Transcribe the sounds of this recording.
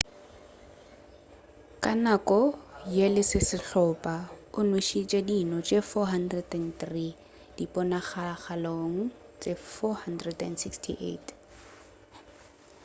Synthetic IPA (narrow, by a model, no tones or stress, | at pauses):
kʼanakʼɔjelɪsɪsɪɬɔpʼaʊnweʃit͡ʃʼedinɔt͡ʃʼefɔɦandrɛdɛnθri | d̥ipʼɔnaχaχaloŋ̩ | t͡ʃʼefɔhandrɛdɛnsikstʰḭʔḛt